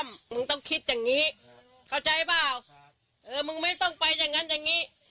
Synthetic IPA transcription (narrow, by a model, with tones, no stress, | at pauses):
mmɯ˧˥˧ŋt̪ɔ˥˩ŋkʰi˦˥t̪̚jaː˨˩ŋŋiː˦˥ | kʰa˧˩wt͡ɕa˧jbaː˥˩w | ʔɤː˧mɯ˧ŋma˥˩jt̪ɔ˥˩ŋpa˧jːaː˨˩ŋːa˦˥njaː˨˩ŋːiː˦˥